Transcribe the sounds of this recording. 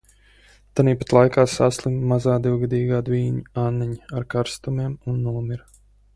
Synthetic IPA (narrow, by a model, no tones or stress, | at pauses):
t̪aniːpat̪lˠajkaːsaslˠimmazaːd̪iwɡad̪iːɡaːd̪viːɲianːiɲiaɾkaɾst̪umiɛmunːuɔmiɾ